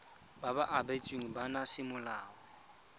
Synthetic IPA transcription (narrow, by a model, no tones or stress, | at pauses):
b̥abaʔabet͡sʼiŋ̩banasɪmʊlaːɔ